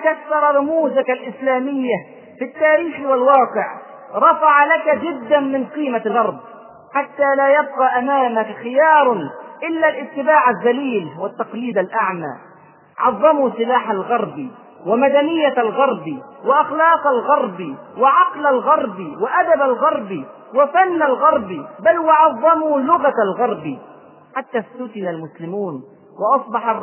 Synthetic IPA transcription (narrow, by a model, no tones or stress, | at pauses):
kasːɑɾˤɑɾʊmuːzakalʔɪslaːmɪjːa | fit̪ːaːɾiːxwalwɑːqɪʕ | ɾˤɑfɑʕalakad͡ʒɪd̪ːanmɪnqiːmalʔɑɾˤd̪ˤ | ħat̪ːaːlaːjab̚qɑʔamaːmakxɪjɑːɾˤʔɪlːalʔɪt̪ːɪbaːʕazːaliːlwat̪ːɑqliːd̪alʔaʕma̰ː | ʕɑðˤːɑmusˤɨlaːħalɣɑɾˤbi | wɪmad̪anɪjːalɣɑɾˤbiwɪʔɑxlɑːqalɣɑɾˤbiwɪʕɑqlalɣɑɾˤbiwɪʔad̪abalɣɑɾˤbi | wɪfanːalɣɑɾˤbibalwɪʕɑðˤːɑmulʊɣat̪alɣɑɾˤbi | ħat̪ːaːst̪ʊt̪ɪnalmʊslɪmuːn | wʔɑsˤbɑħɑrˤ